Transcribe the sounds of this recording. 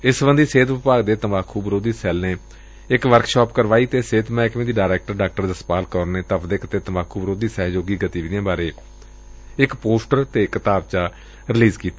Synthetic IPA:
ɪsbə̃nd̪iːseːt̪ʋɪpaːɡd̪eːt̪əmaːkʰuːbəɾoːd̪iːsɛːlneː | ɪkʋəɾkʃɔːpkəɾʋaːiːt̪eːseːt̪mɛːkmẽːd̪iːɖaːɾɛːk̚ʈəɾɖaːk̚ʈəɾd̪əspaːlkɔːɾneːt̪əpʰd̪eːkət̪eːt̪əmaːkʰuːbəɾoːd̪iːsɛːɦd͡ʒoːɡiːɡət̪iːʋiːd̪jãːbaːɾeː | ɪkpoːsʈəɾt̪eːɪkət̪aːb̚t͡ʃaː | ɾɪliːzkiːt̪aː

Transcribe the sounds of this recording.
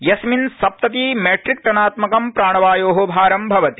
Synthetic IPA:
jɐsminsɐp̚t̪ɐt̪imeːʈɾik̚ʈ̪ɐnaːt̪mɐkɐmpɾaːɳɐʋaːjoːɦobʱaːɾɐmbʱɐʋɐt̪i̥

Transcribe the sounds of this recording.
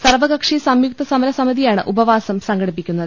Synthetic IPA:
sɐrʋɐɡɐkʂisɐmjuk̚t̪ɐsɐmɐlɐsɐmiðijaːɳɨʔubɐʋaːsɐmsɐŋɡɐɽipːikʲːunːɐðɨ

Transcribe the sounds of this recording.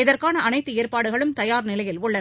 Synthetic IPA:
ɪðɐrkaːnɐʔɐnɐɪt̪ːɯeːrpaːɽɯɣɐɭɯmt̪ɐjaːɾnɪlɐjɪlʊɭːɐ

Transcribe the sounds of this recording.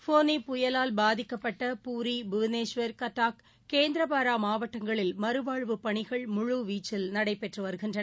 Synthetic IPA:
foːnipʊjɐlaːlbaːðɪkːɐpːɐʈːɐpuːɾibʊʋneːʂʋɐɾkɐʈːaːk | keːnd̪ɪɾɐpaːɾaːmaːʋɐʈːɐŋɡɐɭɪlmɐɾɯʋaːɭʋɯpɐɳɪɣɐɭmʊɻuʋiːt͡ʃːɪlnɐɽɐɪpɛʈrɯʋɐɾɯɣɪndrɐɐ

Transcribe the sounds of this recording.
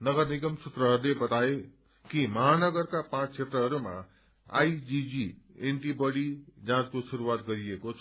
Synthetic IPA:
nʌɡʌɾniɡəmsut̪ɾəɦəɾlebʌt̪ae | kimʌɦanʌɡəɾkapãt͡sʰt͡ʃʰet̪ɾəɦʌɾumã̰ | a̰jd͡ʒid͡ʒieɳʈibʌɽid͡zãt͡skosuɾuat̪ɡʌɾiekot͡sʰ

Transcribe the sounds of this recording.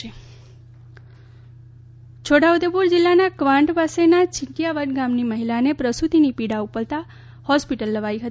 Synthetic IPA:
e | t͡ʃʰoɽaud̪epuɾd͡ʒilːanakʋãɳʈpasenat͡ʃʰɪɳʈijaʋəʈɡamniməɦilanepɾəsut̪inipiɽaupəlt̪a | hɔspiʈəlːəʋaiɦət̪

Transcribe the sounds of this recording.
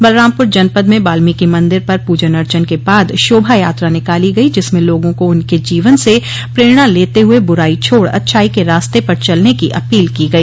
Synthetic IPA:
bɐlɾãːmpʊɾd͡ʒɐnpəd̪mẽbaːlmikimɐ̃nd̪ɪɾpɐɾpuːd͡ʒənɐɾt͡ʃənkebaːd̪ʃoːbʱajaːt̪ɾanɪkaːliɡɐid͡ʒɪsmẽloːɡõkoʊnked͡ʒiːʋənse | pɾeːɾɽ̃aleːt̪eɦʊebʊɾaːit͡ʃʰoːɽɐ̰t̪ʃʰaːikeɾaːst̪epɐɾt͡ʃɐlnekiʔɐpiːlkiɡɐiː

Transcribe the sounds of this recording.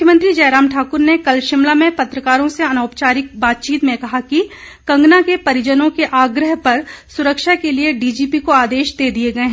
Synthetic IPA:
mʊkʰjəmə̃nt̪ɾid͡ʒɐːɾaːmʈʰaːkʊɾnekɐlʃɪmlamẽpɐt̪ɾəkaːɾõseɐnaːpt͡ʃaːɾɪk̚baːt̪̚t͡ʃiːt̪mẽkɐɦaki | kɐ̃ŋɡnakepɐɾɪd͡ʒənõkeʔaːɡɾəɦpɐɾsʊɾəkʃakelieɖiːd͡ʒiːpikoaːd̪eːʃd̪eːd̪ieɡɐeɦɛ̃

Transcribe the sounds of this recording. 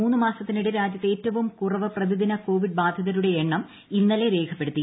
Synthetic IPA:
uːnːɨmaːsɐt̪ːiniɽeɾaːd͡ʑjɐt̪ːe̞ːtːɐʋumkurɐʋɐprɐd̪iðinɐko̞ːʋiɖ̚baːd̪ʱɐðɐɾuɽe̞eɳːɐm | inːɐle̞ɾe̞ːkʰɐpːeɽut̪ːi

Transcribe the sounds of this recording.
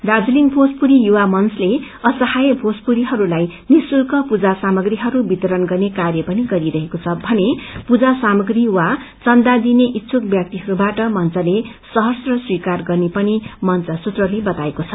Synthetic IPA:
d̪ad͡zulinpʰospuɾijuwamʌnsle | ʌsʌhajpʰospuɾiɦʌɾulajnisulkʌpud͡zasamʌɡriɦʌɾubit̪ʌɾʌnɡʌrnekarjʌpʌniɡʌɾiɾʌɦekot͡sʰʌbʱʌnepud͡zasamʌɡriwat͡sʌnd̪ad̪ineʔitːsʰuk̚bjʌk̚t̪iɦʌɾubaʈʌmʌnt͡sʌle | sʌɦʌrsrʌswikarɡʌrnepʌnimʌnt͡sʌsut̪rʌlebʌt̪aekot͡sʰʌ

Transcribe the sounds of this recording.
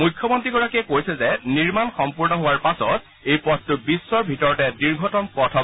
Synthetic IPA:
mujkʰːjɔmɔntɹiɡɔɹakiɛkojsɛzɛniɹmanxɔmpuɹnɔɦʊwaɹpasɔt̚ | ejpɔttʊbisːɔɹbʱitɔɹɔtɛdiɹɡʱɔtɔmpɔtʰɔ

